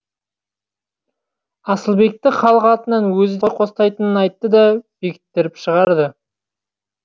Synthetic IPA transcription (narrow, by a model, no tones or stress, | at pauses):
ɑsəlˠbe̞k̚t̪ɪχɑlˠəqɑt̪ənɑnwɵzɪd̪ʰoqʰost̪ɑjt̪ənənɑjt̪ːəd̪ɑb̥ekʲʰɪ̥t̪ːɪɾɪpʃəʁɑɾd̪ə